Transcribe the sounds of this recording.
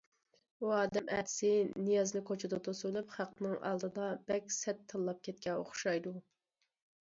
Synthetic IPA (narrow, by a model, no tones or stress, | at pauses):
uɑːd̪ɛmʔæ̰ːd̪ɪ̥sɪnijɑznɨkʰot͡ʃʰud̪ɑt̪ʰosulˠɨpχæqnɨŋʔɑ̰lˠd̪ɨd̪ɑb̥ɛkʲsɛt̪ʰːɨlˠːɑp̚kʲʰɛt̪̚kʲʰɛo̰χʃɑjd̪u